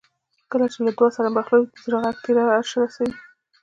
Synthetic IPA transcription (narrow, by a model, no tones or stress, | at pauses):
kəlat͡ʃelad̪wɑsaɾabaxlawzɾaɣaɡ̚t̪eɾaʃəɾasawi